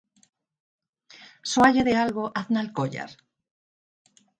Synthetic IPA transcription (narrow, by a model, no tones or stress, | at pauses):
swaʎeðealɣoʔaðnalkoʎa̰ɾ